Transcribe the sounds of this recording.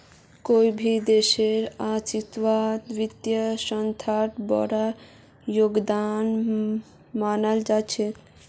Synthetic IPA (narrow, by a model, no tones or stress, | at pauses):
kojbʱid̪eʃeɾat͡ʃit̪wat̪ʋit̪jaʃɔnt̪ʰaʈbɔ̰ɽa | joɡd̪an | manald͡ʒat͡ʃʰe